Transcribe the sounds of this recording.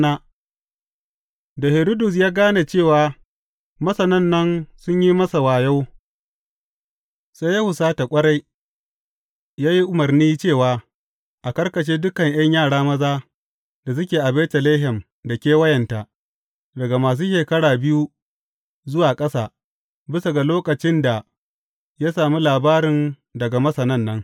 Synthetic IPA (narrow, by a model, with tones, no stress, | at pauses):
na˦ | da˨hɪ˨ɾo˦dʊ˨s̬jaː˦ɡaː˦na˨t͡ʃeː˦˨waː˨ | mɐ˦sɐ˨nɐ˦nːɐ˦nsʊ˦ɲji˦mɐ˦sa˨waː˨ja˦w | sa˦jːa˦hʊ˨saː˦ta˨kʷʼɐ˦ɽa˦j | jaː˦ji˦ʔʊ˨mɐ˨rniː˦t͡ʃeː˦˨waː˨ | ʔa˨kɐ˦rkɐ˨ʃ̬eː˦dʊ˦kɐ˨ɲʔj̰ɐ˦ɲjaː˦˨ɽaː˦mɐ˦zaː˦ | d̥a˨s̬ʊ˦kʲeː˨ʔa˨bɛː˦tɐ˨leː˦ɦɛ˨m | da˨kʲeː˦wɐ˦jɐ˨nta˨ | dɐ˨ɡa˨maː˨s̬uː˦ʃeː˨kɐ˦ɽaː˨bɪ˦ju˦ | zʊ˦waː˨kʼɐ˦saː˨ | bɪ˦sa˨ɡa˨loː˦kɐ˨t͡ʃɪ˦nda˨ | ja˦saː˨mi˦laː˨baː˦ɾɪ˨n | dɐ˨ɡa˨mɐ˦sɐ˨nɐ˦˨nːɐ˦ŋ